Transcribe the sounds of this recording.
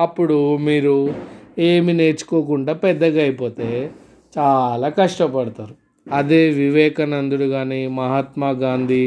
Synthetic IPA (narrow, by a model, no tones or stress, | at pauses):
ɐpːuɽumiːɾueːmine̞ːt͡ʃu̥koːk̬uɳɖaːpɛd̪ːɐɡɐjipo̞ːt̪e̞ː | t͡ʃaːlaːkɐʂʈɐpɐɽɐt̪aːɾu | ɐd̪eːʋiʋɛːkɐnɐnd̪uɽuɡaːnimɐɦɐt̪maːɡaːnd̪ʱi